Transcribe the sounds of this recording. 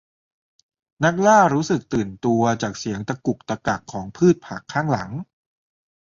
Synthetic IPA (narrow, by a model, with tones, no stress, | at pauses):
na˦˥k̚laː˥˩ɾuː˦˥sɯ˨˩k̚t̪ɯː˨˩nt̪u˧ɐt͡ɕaː˨˩k̚si˩˦əŋt̪a˧ku˨˩k̚t̪a˧ka˨˩kʰːɔː˩˦ŋpʰɯː˥˩t̪̚pʰaː˨˩kʰːaː˥˩ŋla˩˦ŋ